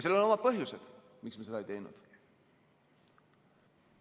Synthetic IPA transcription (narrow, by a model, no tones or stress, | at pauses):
se̞lːeono̞mɑd̪̚pɤɦjused̪̥ | miksmesed̪ɑejt̪e̞jnṵd̪̥